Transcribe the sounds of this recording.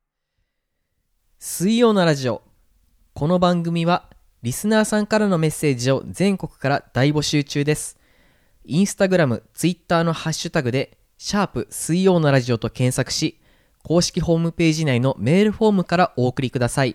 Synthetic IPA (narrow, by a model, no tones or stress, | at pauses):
sɨijo̞ːnoɾaʑio̞ | ko̞no̞bãŋɡɯ̟mʲiβa | ɾʲisɨnaːsãŋkaɾano̞me̞sːe̞ːʑio̞̰zẽ̞ŋko̞kɯ̟̥kaɾad̪̥aibo̞ɕɨːt͡ɕɨːd̪e̞sɨ̥ | ĩɰ̃sɨ̥t̪aɡɯ̟ɾamɯ̟t͡sɨit̪ːaːno̞haɕːɨt̪aɡɯ̟d̪e̞ | ɕaːpɯ̟sɨijo̞ːnoɾaʑio̞t̪okẽ̞ɰ̃sakɯ̟̥ɕi | ko̞ːɕi̥kʲiɦo̞ːmɯ̟pe̞ːʑinaino̞me̞ːɾɯ̟ɸo̞ːmɯ̟kaɾaʔo̞ːkɯ̟ɾʲikɯ̟d̪asai